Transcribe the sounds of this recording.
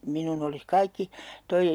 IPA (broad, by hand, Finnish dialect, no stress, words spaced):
minun olis kɑikːi toi